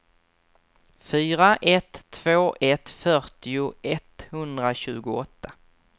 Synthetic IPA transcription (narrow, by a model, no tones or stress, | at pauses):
fyːɾaʔɛt̪ʰːvoːʔɛt̪fœɾʈɪʊɛt̪hɵnd̪ɾaɕʉ̟ːɡʊɔt̪ʰːa